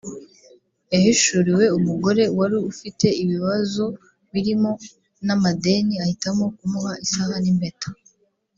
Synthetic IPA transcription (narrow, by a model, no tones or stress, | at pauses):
ehiʃuɾiwe̞umuɡo̞ɾe̞waɾiufite̞iβiβazo̞ | βiɾimo̞ | namade̞niahitamo̞kumuhaisahanimbe̞tḁ